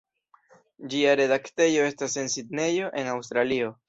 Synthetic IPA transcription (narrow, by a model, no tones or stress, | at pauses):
d͡ʒiaɾe̞dakte̞jo̞e̞stase̞nsidne̞jo̞ʔe̞nawst̪ɾalio̞